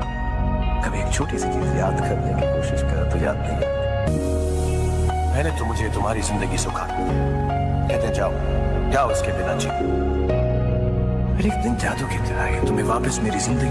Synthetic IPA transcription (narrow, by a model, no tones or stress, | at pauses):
kɐbʱieːkt͡ʃʰoːʈisɐd͡ʒuzjaːd̪kɐɾnekikoːʃɪʃkɐɾt̪ɐjːa̰ːɾkile | mɛ̃ːnet̪omʊd͡ʒʱet̪ʊmɦaːɾizɪ̃nd̪əɡisokʰaː | kɛːt̪ẽd͡ʒaːo | d͡ʒaːoɪskebɪnat͡ʃeː | pʰɪɾeːk̚d̪ɪnd͡ʒaːd̪uket̪eɾaːket̪ʊmẽʋaːpəsmeːɾizɪ̃nd̪əɡ